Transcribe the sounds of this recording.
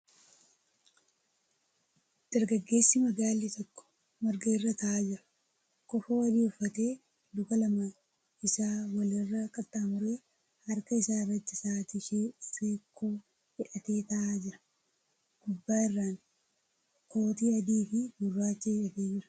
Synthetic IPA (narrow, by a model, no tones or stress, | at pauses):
d̪̥ɐɾɡɐɡːe̞ːsːɪmɐɡaːlːiːt̪ɔkːɔ̥ | mɐɾɡɐɪrːɐt̪ɐaːd͡ʒɪɾɐ̥ | kɔfoːwɐɾiːʊfːɐt̪e̞ː | d̪ʊkɐlɐmɐ | ɪsaːwɐlɪrːɐkʼɐt̪ʼːaːmʊɾeː | hɐɾkɐɪsaːɪrːɐt̪ːɪsaːt̪ɪʃeseːkʰːoː | hɪᶑɐt̪e̞ːt̪ɐʔaːd͡ʒɪɾɐ̥ | ɡ̥ʊbːaːɪrːaːŋ | kʰo̞ːt̪iːɐd̪iːfɪmʊrːaːt͡ʃːeːɪᶑɐt̪eːd͡ʒɪɾɐ̥